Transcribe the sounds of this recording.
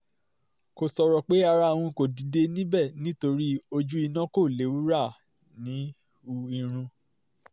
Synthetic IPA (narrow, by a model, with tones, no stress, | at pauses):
ko˨sɔ˧ɾɔ˨k͡pe˦a˧ɾa˧˨w̃ɔ̃˧ko˨di˨de˧nĩ˦bɛ˦˨nĩ˦to˧ɾi˦o˧d͡ʒu˦i˧nã˦ko˦˨le˨˦wu˦ɾa˦˨ | nĩ˨˦ | u˧i˧ɾ̃ũ˧